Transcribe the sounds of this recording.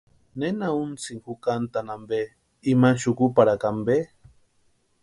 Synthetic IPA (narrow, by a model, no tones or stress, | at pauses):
nenaunt͡siŋxukant̪anambe | imanʃukupaɾakambe